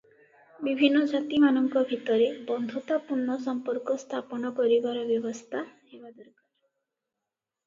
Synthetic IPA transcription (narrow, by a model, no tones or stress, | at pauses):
bibʱinːɔd͡ʒat̪imanɔŋkɔbʱit̪ɔɾebɔnd̪ʱɔt̪apunːɔsɔmpɔɾkɔst̪ʰapɔñɔkɔɾibaɾɔbjɔbɔst̪ʰahebad̪ɔɾkaɾ